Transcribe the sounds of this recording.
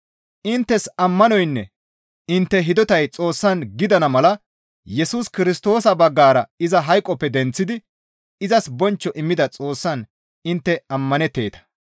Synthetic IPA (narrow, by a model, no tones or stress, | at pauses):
ʔɪnt̪ːɛsɐmːɐnɔjnːɛ̰ | ɪnt̪ːɛɦɪd̪ɔt̪ɐjt͡sʼo̞ːsːɐnɡɪd̪ɐnɐmɐlɐ | jɛsuːskɪɾɪst̪o̞ːsɐbɐɡːaːɾɐɪzɐɦɐjkʼːɔpːɛd̪ɛnt͡sːɪd̪ɪ | ɪzɐsbɔnt͡ʃːɔʔɪmːɪd̪ɐt͡sʼo̞ːsːɐn | ɪnt̪ːɛɐmːɐnɛt̪ːe̞ːt̪ɐ̥